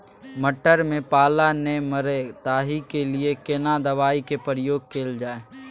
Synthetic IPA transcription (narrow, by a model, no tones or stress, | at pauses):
məʈəɾmẽpaːlaneməɾet̪aːɦikeliekɪnad̪ɐʋaːikepəɾɪjoːɡ̚keːld͡ʒaːeː